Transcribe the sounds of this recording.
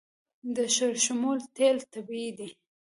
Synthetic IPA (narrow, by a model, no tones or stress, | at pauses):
d̪əʃəɾʃʊmult̪elt̪abid̪i